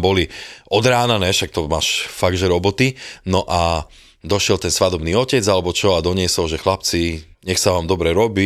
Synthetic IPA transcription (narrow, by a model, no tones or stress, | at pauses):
bɔliʔɔd̪ɾaːnanɛʃak̚t̪ɔmaːʃfaɡʒɛɾɔbɔt̪inɔʔa | d̪ɔʃɪɛlt̪ɛnsʋad̪ɔbniːɔcɛd͡zalɛbɔt͡ʃɔad̪ɔɲɪɛsɔlʒɛxlap̚t͡si | ɲɛxsaʋaːmd̪ɔbɾɛɾɔbiː